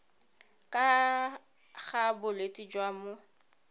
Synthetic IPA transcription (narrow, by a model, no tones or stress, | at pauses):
kʼa | ɣabʊletʼid͡ʒwamʊ